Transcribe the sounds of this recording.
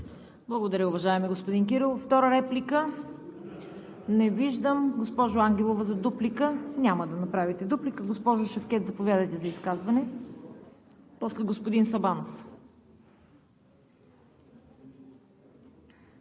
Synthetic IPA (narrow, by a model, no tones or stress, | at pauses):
blˠɐɡod̪ɐɾəʊvɐʒaɛmɛɡospod̪ink̬iɾilˠft̪ɔɾəɾɛplikə | nɛviʒd̪əmɡospɔʒʊaŋɡʲɛlˠovəzɐd̪uplikənʲaməd̪ɐnɐpɾavit̪ɛd̪uplikəɡospɔʒʊʃɐfkɛt̪zɐpovʲjad̪ɐjt̪ɛzɐiskazvɐnɛ | pɔslɛɡospod̪insɐbanof